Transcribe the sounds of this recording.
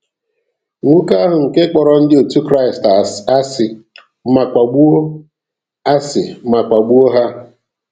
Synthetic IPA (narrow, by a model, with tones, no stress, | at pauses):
ŋʷu˦ka˦ɦʊ˨ŋ̩˨ke˦k͡pɔ˨ɾɔ˨n̩˦dɪ˦o˨tu˦kɾa˦i˨sta˨sa˦sɪ˨˦ | ma˨kʷa˨ɡ͡bu˦o˦ | a˦sɪ˨˦ma˨kʷa˨ɡ͡bu˦o˦ɦa˦